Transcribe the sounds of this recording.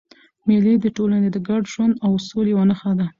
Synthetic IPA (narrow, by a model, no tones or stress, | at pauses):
milid̪əʈolaned̪əɡaɖʒwand̪awsolewanəxad̪a